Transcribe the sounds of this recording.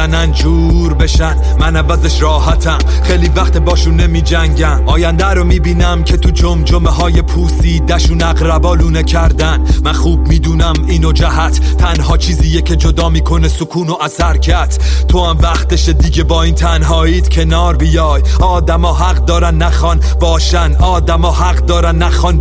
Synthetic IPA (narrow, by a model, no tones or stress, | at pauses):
ænænd͡ʒuː | ɾbe̞ʃæn | mænævæzeʃɾɒːhæt̪ʰæm | χejliːvæχt̪ebɒːʃunːe̞miːd͡ʒæŋɟæmʔɒːjænd̪æɾomiːbiːnæmcʰe̞t̪ʰud͡ʒomd͡ʒomeɦɒːje̞pʰuːsiːd̪æʃuːnæɡɾæbɒːluːnecʰæɾd̪ænmænχuːbmiːd̪uːnæmiːnod͡ʒæɦæt̪ʰt̪ʰːænɦɒːt͡ʃʰiːziːjecʰe̞d͡ʒo̞d̪ɒːmiːkʰo̞nesokʰuːno̞ʔæsæɾcʰæɾt̪ʰ | t̪ʰːohæmvæχt̪eʃed̪iɟe̞bɒːiːnt̪ʰænɦɒːiːd̪̥cʰe̞nɒːɾbijɒːj | ɒːd̪æmɒːɦæqd̪ɒːɾænːæxɒn | bɒːʃænʔɒːd̪æmɒːɦæqd̪ɒːɾænːæxɒn